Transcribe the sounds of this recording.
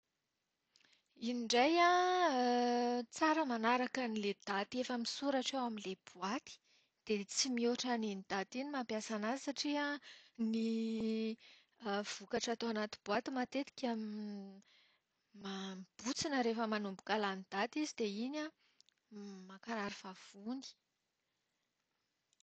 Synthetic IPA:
iniɳɖ͡ʐaja | t͡saɾəmanaɾakaniled̪̥at̪iefəmisuɾaʈ͡ʂewamileb̥uat̪i̥ | d̪̥et͡simioʈ͡ʂaninid̪̥at̪inimampjasanazisaʈ͡ʂiani | v̥ukaʈ͡ʂat̪oanat̪ib̥uat̪imat̪et̪i̥kʲami | mamb̥ut͡sinəɾefəmanumbu̥kalanid̪at̪izid̪eina | makaɾaɾivav̥uni̥

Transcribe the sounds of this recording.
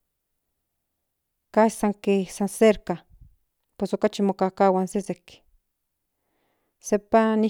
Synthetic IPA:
kasaŋkesanseɾka | pesokat͡ʃimokakawansesek | sepani

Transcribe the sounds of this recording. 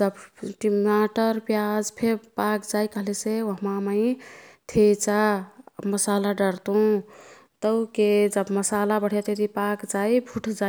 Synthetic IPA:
d͡ʒəbʈimaʈəɾpjad͡ʒpʰeɾpakd͡ʒajkəɦleseoɦmaməit̪ʰet͡ʃaməsalaɖəɾt̪ũ | t̪əwked͡ʒəbməsalabəɽ̤jet̪et̪ipakd͡ʒaibʰʱuʈʰd͡ʒa

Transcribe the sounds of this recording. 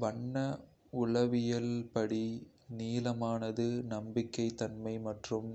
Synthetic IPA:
ʋɐɳːɐ | ʊɭɐʋɪjɐlpɐɽi | niːlɐmaːnɐðɯnɐmbɪkːɐɪt̪ːɐnmɐɪmɐʈrɯm

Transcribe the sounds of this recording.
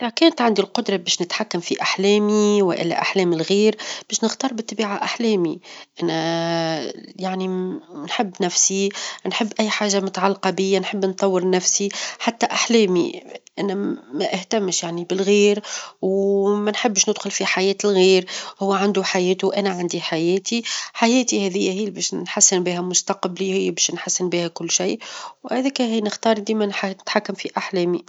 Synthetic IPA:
ʔlækɛːnt̪ʕand̪ilqʊd̪ɾˤɑbɛːʃnɪt̪ħakːamfiʔaħlɛːmiwɪʔɪ̰lːæ̰ʔaħlɛːmɪlɣiːɾb̥ɛːʃnɪxt̪ɑːɾˤbɪt̪ˤːbiːʕaʔaħlɛːmiʔænæ | jaʕninħɪbːnæfsinħɪbːʔæjːħaːʒːamʊt̪aʕalːqɑbɪjːanħəbːnt̪ˤɑwːəɾnæfsiħat̪ːæʔaħlɛːmḭʔænæmæʔɪht̪æmːʃjaʕnibɪlɣiːɾwmænħəbːʃnɪd̪xʊlfiħajɛːt̪lɣiːɾhʊwːʕand̪uħajɛːt̪uʔænæʕand̪iħajɛːt̪iħajɛːt̪ihɛðɪjːæhiːbɛːʃnħasːɪnbiːhæmʊst̪ɑqblihɪjːbɛːʃnħasːɪnbiːhækʊlːʃijwhæðiːkæhiːnɪxt̪ɑːɾˤd̪iːmænħanɪt̪ħakːamfiʔaħlɛːmi

